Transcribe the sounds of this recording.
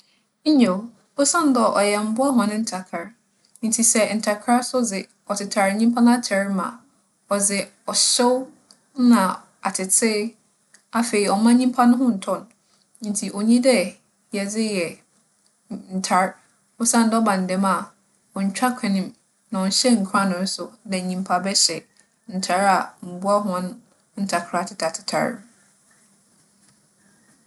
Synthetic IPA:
ɲ̩˦ɲẽ˨ | ʊ˦sã˦n˦dɔ˦˨ʔɔ˨jɛ˨m̩˦bʊ˦a˦ɦɔ̃˨nʊ̃˦n̩˦tʰa˨kʰa˨ɾ̃ | n˦tʰi˨sɛ˦˨n̩˨tʰa˨kʰa˦sʊ˦d͡zɪ˨ | ɔ˨tʰɪ˨tʰa˨ɾɲĩ˦m˦pʰã˦nʊ̃˦a˦t͡ɕʰɛ˨ɾmã̰˨ | ɔ˨d͡zɪ˨ | ɔ˨ɕɛ˦w | nã˨ | a˨tʰɪ˨tʰɪ˦ | a˦fe˨ɾi˨ɔ˨mã˦ɲĩ˦mpʰã˦nʊ̃˦ɦʊ̃˦n̩˨tʰɔ̃˦ñ˦ | ntʰi˨ʔo˨ɲĩ˦dɛ˦ | jɛ˨d͡zɪ˦jɛ˨ | n̩˨tʰa˦ɾ | ɔ˦sã˦˨n˨dɛ˦ɔ˦bã˨n̩˨dɛ̃˨˦ma˨ | ɔ˨ɲ̩˨t͡ɕᶣa˦kʷʰɛ̃˨nɪ̃˦˨m | nã˨ɔ˨n˨ɕɛ˦ŋ̩˨kʰɾa˦nʊ̃˨n̩˦sʊ˨dɛ˨ɲĩ˨mpʰa˨bɛ˦ɕɛ˨ | n̩˨tʰa˨˦ɾa˨m̩˨bu˦a˦ɦʊ˦ã˦nʊ̃˦ | n̩˦tʰa˨kʰɾa˨tʰɪ˨tʰa˨tʰɪ̥˨tʰa̰˨ɾ

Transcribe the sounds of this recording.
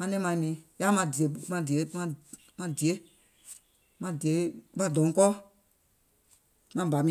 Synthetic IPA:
mã˧˦nɛ̃˦mã˧ĩ˧nĩ˨˦ja˦mã˧di˨e˨˦mã˧di˨e˨˦mã˧ | mã˧di˨e˨˦ | mã˧di˨e˨˦mã˧dɔ̃˨˦kɔː˦ | mã˧ba˨˦mĩ˧

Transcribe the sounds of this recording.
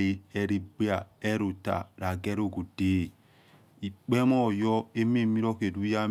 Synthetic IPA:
i˨ɛ˨ɾi˦ɡ͡be˦a˨e˦ɾo˨ta̰˨ɾa˨ɡɛ˦ɾo˦˨ɡu˨deː˦˨ | i˨k͡pe˦mɔ˦˨jɔ˦e˦me˦˨mi˦ɾo˦ke˨du˦ja˦

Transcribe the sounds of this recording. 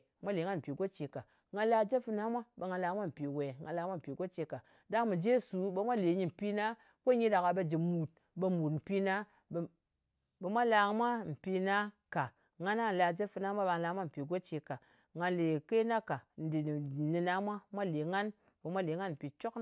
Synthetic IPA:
mʷa˦le˨˦ŋa˦nm̩˨pi˨ɡo˦t͡ʃe˨ka˨ | ŋa˧n˦la˧d͡ʒe˦fu˧na˦mʷa˦ɓe˨ŋa˧nla˧˦mʷa˦m̩˨pi˨we˨ŋa˨nla˧˦mʷa˦m̩˨pi˨ɡo˦t͡ʃe˧ka˨ | da˦ŋ˦mi˨d͡ʒe˦su˨ɓe˦mʷa˦le˨ɲi˦m̩˨pi˦na˦ | ko˦ɲi˦da˨ka˨ɓe˦d͡ʒi˨mu˨t̚ | be˦mu˨tm̩˨pi˦na˦˨ | be˨mʷa˦la˧mʷa˦m̩˨pi˧na˦ka˨ | ŋa˦na˦˨la˧d͡ʒe˦fu˧na˦mʷa˦ɓe˨ŋa˨la˦mʷa˦m̩˨pi˨ɡo˦t͡ʃe˨ka˨ | ŋa˧nle˨ke˦na˦ka˨n̩˨di˨ni˨na˦mʷa˦mʷa˦le˨ŋa˦n | be˨mʷa˦le˨˦ŋa˦nm̩˨pi˨t͡ʃo˦k

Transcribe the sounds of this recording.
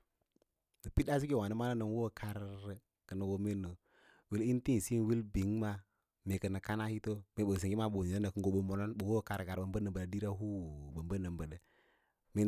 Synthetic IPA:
nə˨pi˦ɗa˦si˦ɡi˦˨wa˨ni˦ma˦na˦nə˨n˦wo˦˨kʰa˦ɾ | kə˨nə˨wo˦me˦nːo˨ | wi˦li˦n˦ti˦˨si˦n˨wi˦lbi˨˦ŋma˦ | me˨kə˨nə˨ka˦na˦hi˦to˦me˨ɓə˨s̬i˨ŋɡi˦ma˦ɓo˨i˨ə˦nə˨kə˨ŋɡo˨˦ɓo˦mo˨no˦nɓo˨wo˦˨ka˨ɾɡa˨ɾbə˨mbə˦nə˨bə˨a˨˦di˦ɾa˦ɦu˦bə˨mbə˦nə˨mbə˨də˨ | me˦

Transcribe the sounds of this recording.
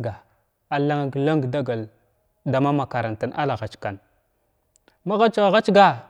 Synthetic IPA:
ɡa˨ | a˨la˦ŋa˨ɡla˦ŋɡda˦ɡa˨l | da˨ma˦ma˨ka˨ɾa˨nta˨nʔa̰˦la˨ɣa˨t͡ʃka˨n | ma˦ɣa˦t͡ʃa˨ɣa˦t͡ʃɡa˦

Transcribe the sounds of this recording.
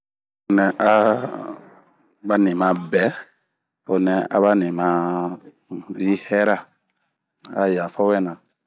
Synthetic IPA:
o˨nɛ̃˨a˦ | ba˦nĩ˨mã˨bɛ˨˦ | o˨nɛ˨a̰˨βa˦nĩ˨mã˦ | ji˦hɛ˦ɾa˦˨ | a˨ja˨fɔ˦wɛ˦nã˨

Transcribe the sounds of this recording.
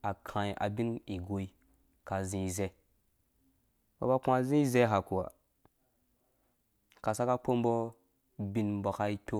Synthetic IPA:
a˨kʰã˨i˨ʔa̰˨bi˦ni˨ɡo˨˦i˦ | ka˨zĩ˦˨ze˦ | ba̰˨ba˦kʷa˦zĩ˦ze˦ɦa˨ku˨wa̰˨ | ka˨sa˦ka˦k͡po˦m˦bɔ˦ | bi˦nbɔ˨ka˦i˦tʲo˦

